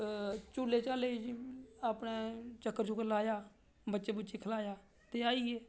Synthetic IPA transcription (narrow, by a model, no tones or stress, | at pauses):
t͡ʃuːlːeːt͡ʃaːle | aːpneːt͡ʃəkːəɾt͡ʃũːkəlaːjaː | bətːt͡ʃeːbətːt͡ʃekʰəlaːjaː | t̪eːaːiːeː